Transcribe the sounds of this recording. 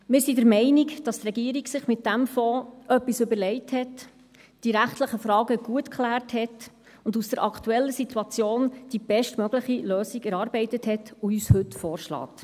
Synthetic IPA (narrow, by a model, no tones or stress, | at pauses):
mɪːɾsidəɾmɛɪnikd̥ɑst̪rɛɡiːɾiɡsɪχmɪt̚dæmfɔːœpːisʏbəɾlɛɪthɛt | d̥iɾæχtləχəfɾɑːɡəɡ̥uətkʰχlæːrthɛt | ʊndusd̥əɾʔɑktuɛlːəsitʰuɑt͡sjoːnd̥ib̥ɛʃtmœɡləχiløːsiɡɛɾɑːɾbɛɪtəthɛtoyːshɵtfɔːɾʃlɑ̰ːt